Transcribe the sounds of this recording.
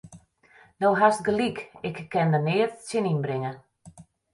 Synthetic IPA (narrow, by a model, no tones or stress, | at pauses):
nowɦast̚ɡəlikɪkkːɛndənɪːətsɪninbrɪŋə